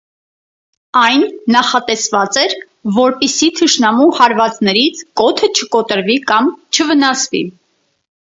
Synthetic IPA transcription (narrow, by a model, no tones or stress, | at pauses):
ɑjnːɑχɑt̪ɛsvɑt͡sɛɾ | vɔɾpisit̪ʰəʃnɑmuhɑɾvɑt͡snɛɾit͡sʰkɔt̪ʰət͡ʃʰəkɔt̪əɾvikɑmt͡ʃʰəvənɑsvḭ